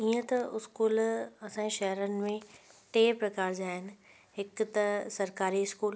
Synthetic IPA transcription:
iːə̃t̪ɐʊskuːlɐsãẽʃɐɦɾənɪ̆mẽʈeːpɾɐkaːɾd͡ʑaːɦɪnɪ̆ | ɦɪkt̪ɐsɐɾkaːɾiɪskuːl

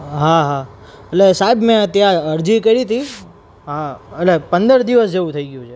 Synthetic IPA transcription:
ɦaɦa | eʈlesaɦibmẽt̪jãəɾd͡ʒikəɾit̪ʰi | ɦaeʈlepənd̪əɾd̪iʋəsd͡ʒeʋũt̪ʰəiɡəjũt͡ʃʰe

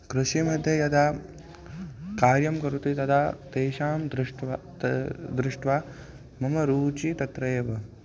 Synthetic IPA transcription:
kɾuʃimɐd̪ʱjɐjɐd̪aː | kaːɾjɐmkɐɾut̪it̪ɐd̪aːt̪eːʃaːmd̪ɾɪʈ | d̪ɾɪʂʈʋaː | mɐmɐɾuːt͡ʃit̪ɐt̪ɾɐjɐʋɐ

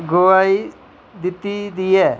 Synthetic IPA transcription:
ɡoai | d̪ɪt̪ːid̪iɛː

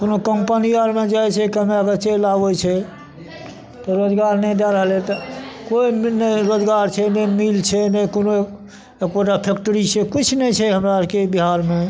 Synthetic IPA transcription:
konokəmpənijəɾmẽd͡ʒajt͡ʃʰɛkəmeəɡəɾt͡ʃelaʋot͡ʃʰɛ | t̪ɔɾod͡ʒɡaɾnɛjd̪ɛɾəɦlet̪ɔkoimnəɾod͡ʒɡaɾt͡ʃʰɛnəmilt͡ʃʰɛnəkono | ekboʈapʰek̚ʈəɾit͡ʃʰekit͡ʃʰnɛt͡ʃʰɛɦəmɾakebiɦaɾme

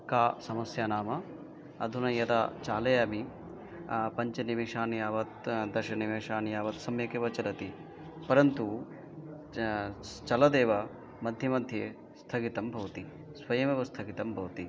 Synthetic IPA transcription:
kaːsɐmɐsjaːnaːmɐ | ɐd̪ʱunɐjɐd̪a̰ːt͡ʃaːlɐjaːmi | pɐɲt͡ʃɐniʋeːʃaːnijaːʋɐt̪̚d̪ɐʃɐniʋeːʃaːnijaːʋɐt̪sɐmjɐkeːʋɐt͡ʃɐlɐt̪i | pɐɾɐnt̪u | t͡ʃɐlɐd̪eːʋɐ | mɐd̪ʱjɐmɐd̪ʱjeː | st̪ʰɐɡit̪ɐmbʱɐʋɐt̪i | sʋɐjɐmɐʋɐst̪ʰɐɡit̪ɐmbʱɐʋt̪i

